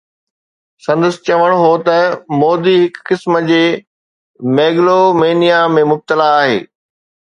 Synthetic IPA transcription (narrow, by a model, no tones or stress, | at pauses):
sɐ̃nd̪əsɪ̥t͡ɕɐʋəɽ̃ɦot̪ɐmɔːd̪iɦɪkːɪsməd͡ʑeː | meːɡlomeːnijamẽmʊb̚t̪əlaːɦḛː